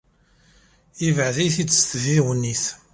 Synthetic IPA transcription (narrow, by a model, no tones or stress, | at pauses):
ivəʕðijθit͡sːsθðiwənːiθ